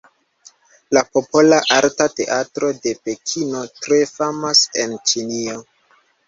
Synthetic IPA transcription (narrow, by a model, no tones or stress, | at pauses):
lapo̞po̞laʔaɾtate̞ʔatɾo̞de̞pe̞kʰino̞tɾe̞famase̞nt͡ʃinio̞